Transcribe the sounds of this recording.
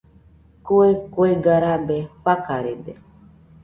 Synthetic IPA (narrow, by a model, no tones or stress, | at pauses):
koekweɡaɾabeɸakaɾed̪e